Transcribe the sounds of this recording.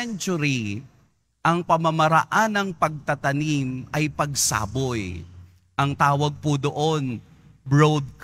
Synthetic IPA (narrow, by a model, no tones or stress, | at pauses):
ɛnt͡ʃʊɾi | ʔɐŋpɐmɐmɐɾɐ̰ʔanːɐŋpɐɡ̚t̪ɐt̪ɐnimɐjpɐɡsa̰ːboj | ʔɐŋt̪aːwɐɡ̚pʊd̪oʔon | bɹod̪̚k